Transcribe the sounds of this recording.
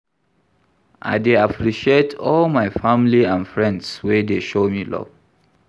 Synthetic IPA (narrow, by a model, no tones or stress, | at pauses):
ʔa̰ɪdeapʰɹiʃietʰɔlmaɪfamiliãnfɹɛ̃ndswedeʃomilɔ̰v̥